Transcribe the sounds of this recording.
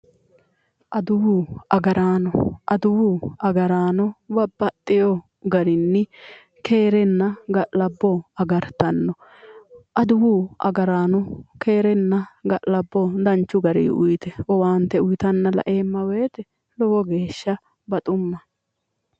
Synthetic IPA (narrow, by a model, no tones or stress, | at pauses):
ʔɐd̪ʊwuːʔɐɡɐɾʔaːnɔʔɐd̪ʊwuːɐɡɐɾaːnɔbɐbːɐt̪ʼːɪjɔ | ɡɐɾɪnːɪ | ke̞ːɾɛnːɐɡɐʔlɐbːɔɐɡɐɾt̪ɐnːɔ | ʔɐd̪ʊwuːʔɐ̰ɡɐɾaːnɔke̞ːɾɛnːɐɡɐʔlɐbːɔd̪ɐnt͡ʃːʊɡɐɾḭːʔʊjt̪ɛʔɔwaːnt̪ːɛʊjɪt̪ɐnːɐlɐ̰ʔe̞ːmːɐwe̞ːt̪ɛ | lɔwɔɡe̞ːʃːɐ | bɐt̪ʼʊmːɐ